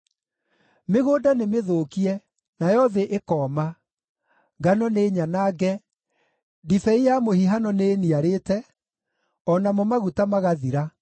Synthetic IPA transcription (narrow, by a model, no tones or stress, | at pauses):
meɣoːdanemeðoːkiɛ | najɔðeʔekɔːma | ɡanɔneːɲanaːɡɛ | difɛijamohiɦanɔneniaɾetɛ | ɔnamɔmaɣutamaɣaðiɾa